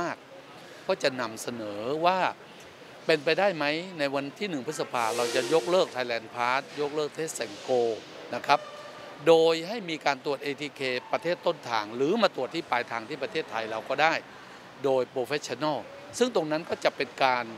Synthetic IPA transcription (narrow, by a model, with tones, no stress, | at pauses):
aː˥˩k̚ʰː | ɔː˥˩t͡ɕa˨˩na˧msa˧nɤː˩˦waː˥˩ | pe˧npa˧jdaː˥˩jma˦˥jna˧jwa˧nt̪ʰiː˥˩nɯ˨˩ŋpʰɯ˦˥sa˧pʰaː˧ɾa˧wt͡ɕa˨˩jo˦˥k̚lɤː˥˩k̚t̪ʰaː˧jlɛː˧˩npʰaː˦˥t̪̚jo˦˥k̚lɤː˥˩k̚t̪ʰeː˥˩t̪̚sɛ˨˩˦ŋkoː˧ | na˦˥kʰa˦˥p̚ | doː˧jɦa˥˩jmiː˧kaː˧nt̪u˨˩ət̪̚ʔeː˧t̪ʰiː˧kʰeː˧pa˧t̪ʰeː˥˩t̪ːo˥˩nt̪ʰaː˨˩ŋɾɯː˨˦maː˧t̪u˨˩ət̪ʰːiː˥˩paː˧jt̪ʰaː˧˩ŋt̪ʰiː˥˩p̬ɾa˧t̪ʰeː˥˩t̪ʰːa˧jɾa˧wkɔː˥˩daː˥˩j | doː˧jpɾoː˧fʰɛ˦˥t͡ɕʰɔ˧nɔ˥˩w | sɯ˥˩ŋt̪o˧ŋna˦˥nkɔː˥˩t͡ɕa˨˩pe˧nkaː˧n